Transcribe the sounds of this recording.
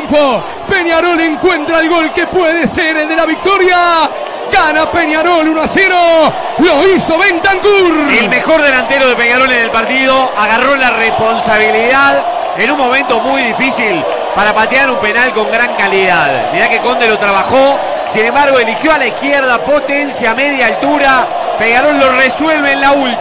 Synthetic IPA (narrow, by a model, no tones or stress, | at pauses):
fo | pe̞njaɾo̞leŋkwe̞nt̪ɾaelɣo̞lkepweðeseɾeld̪elaβik̚t̪oɾja | ɣanapenjaɾo̞lunaseɾo | loisoβent̪aŋkuɾelmexo̞ɾðelant̪eɾo̞ð̞e̞penjaɾo̞lenelpaɾt̪iðo̞aɣaro̞larespo̞nsaβ̞iliðað | enuŋmõ̞mẽnt̪o̞mujðifisil | paɾapat̪jaɾumpe̞nalko̞ŋɡɾaŋkaliðaðmiɾakeko̞nd̪eɾo̞t̪ɾaβaxo | sine̞mbaɾɣo̞elixjo̞alaihkjɛɾðapo̞t̪ensjameð̞jaːlt̪uɾa | peɲjaɾolːo̞reswe̞lβeːnlault̪